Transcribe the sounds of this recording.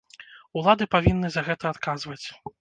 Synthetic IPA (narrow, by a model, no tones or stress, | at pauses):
ulˠad̪ɨpavʲinːɨzɐɣɛt̪ɐat̪kazvɐt͡sʲ